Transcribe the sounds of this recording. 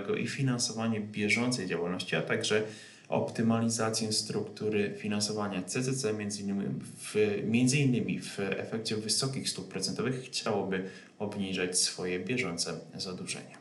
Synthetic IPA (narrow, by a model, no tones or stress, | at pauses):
ɡɔ̰ʔḭfʲinansɔvaɲɛbʲjɛʐɔnt̪sɛjd͡ʑawalnɔɕt͡ɕiat̪aɡʐɛ | ɔ̰pt̪ɘmalʲizat̪sʲjɛst̪ɾukt̪uɾɘfʲinansɔvaɲat̪sɛzɛt̪sɛmʲjɛnzɘnːmi | vmʲjɛnd̪zɘinːɘmʲivɛ̰fɛkt͡ɕɛvɘsɔkʲixst̪uppːɾɔt̪sɛnt̪ɔvɘxːt͡ɕawɔbɘ | ɔbɲiʐat͡ɕsfɔjɛbʲjɛʐɔnt̪sɛzad̪uʐɛ̰ɲa